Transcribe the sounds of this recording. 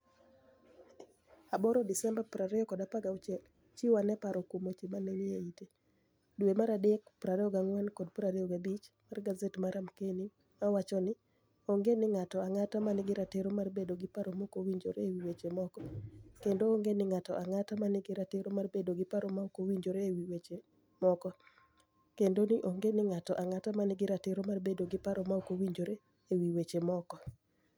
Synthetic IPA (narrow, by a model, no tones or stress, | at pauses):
abɔɾɔdɪsɛmbapɾaɾɛɔkɔdapaɡaʊt͡ʃɛl | t͡ʃiwanɛpaɾɔkumot͡ʃemanɛnɪeite | duemaɾadekpɾaɾɛɔɡaŋwankɔd̚pɾaɾɛɔɡabit͡ʃmarɡazetmaɾamkeni | awat͡ʃɔnɪ | oŋɡenɪŋatɔaŋatamanɪɡɪɾateɾomarbedoɡɪpaɾomokowiɲd͡ʒo̰ɾeːwiwet͡ʃemɔkɔkendooŋɡenɪŋatɔʔaŋatamanɪɡɪɾateɾomarbedoɡɪpaɾɔmaokowiɲd͡ʒoɾeːwiwet͡ʃe | mɔkɔ | kendonɪʔoŋɡenɪŋatɔʔaŋatamanɪɡɪɾateɾomarbedoɡɪpaɾɔmaokowiɲd͡ʒoɾe | ewiwet͡ʃemɔkɔ